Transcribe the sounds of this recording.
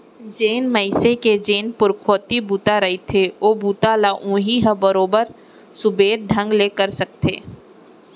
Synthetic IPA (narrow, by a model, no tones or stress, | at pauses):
d͡ʒeːnmɐɪseked͡ʒeːnpʊɾkʰoːt̪ibuːt̪aɾɐɦit̪ʰeoːbuːt̪alaʔũːɦiɦə̃bɐɾoːbəɾ | sʊbeːɾɖʱɐ̃ŋɡleːkəɾsɐk̚t̪ḛː